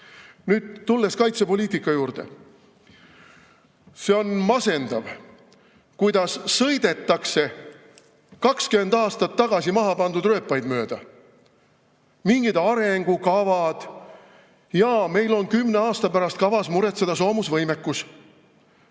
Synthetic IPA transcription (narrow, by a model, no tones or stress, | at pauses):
nyːd̪̥t̪ːulːe̞skɑjt̪se̞po̞lʲiːt̪ikːˑɑjuːrd̪̥e̞̰ | se̞o̞nmɑse̞nd̪̥ɑv | kujd̪̥ɑssɤjd̪̥e̞t̪ˑːɑkse̞ | kɑkskyme̞nd̪ɑːst̪ɑt̪ːɑɡ̥ɑsimɑɦɑpɑnd̪ud̪ɾrø̞ːpːˑɑjd̪mø̞ːd̪̥ɑ | miŋɡ̥id̪̥ɑɾe̞ŋɡ̥ukɑvɑd̪̥ | jɑme̞jlo̞nkymne̞ɑːst̪ɑpæɾɑst̪kɑvɑsmuɾe̞t̪sed̪̥ɑso̞ːmusvɤjmekːˑus